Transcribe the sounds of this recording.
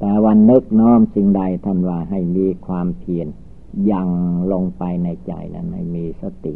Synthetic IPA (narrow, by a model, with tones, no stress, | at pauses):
t̪ɛː˧˦wa˧˨nːɯ˦˥k̚nɔː˧˥˨msi˧ŋda˧˩jt̪ʰa˧˥˩nwaː˧˩ɦa˨˩jmiː˧kʰwaː˧mpʰi˧˨ən | ja˧˩ŋlo˧ŋpa˧jna˧˩jt͡ɕa̰˨˩jna̰˧˩nha˧˩jmiː˧˥sa˧t̪ḭ˨ʔ